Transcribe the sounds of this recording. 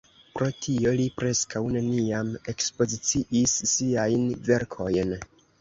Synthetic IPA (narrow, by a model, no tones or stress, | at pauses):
pɾo̞tʰio̞lipɾe̞skawne̞niame̞kspo̞zit͡siʔisːiajnve̞ɾkʰo̞jn